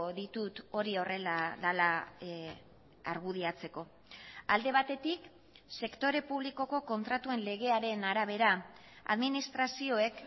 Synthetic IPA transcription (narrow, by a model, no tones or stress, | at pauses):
ðit̪ut̪o̞ɾio̞re̞laðala | aɾɣuð̞iat͡se̞ko̞ | ald̪e̞βat̪e̞t̪ik | se̞kt̪o̞ɾe̞puβ̞liko̞ko̞ko̞nt̪ɾat̪ue̞nle̞ɣ̞e̞aɾe̞naɾaβ̞e̞ɾa | a̰ðminist̪ɾasio̞e̞k